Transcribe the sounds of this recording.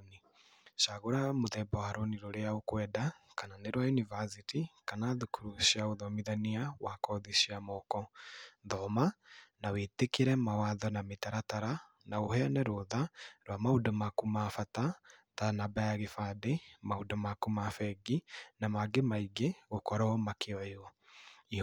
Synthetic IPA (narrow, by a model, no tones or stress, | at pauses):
ni | ʃaɣoɾamoðɛbɔhaɾoniɾoɾeaokwɛdakananeɾwajunivasitikanaðukʰuɾuʃiaoðɔmiðaniawakɔðiʃiamɔkɔðɔmanawetekiɾɛmawaðɔnametaɾataɾa | naohɛanɛɾoðaɾwamaudɔmakumafata | ðanabajaɣefademaudɔmakumafɛɡinamaɡemaiɡeɣokɔɾɔɔmakeɔjɔ | i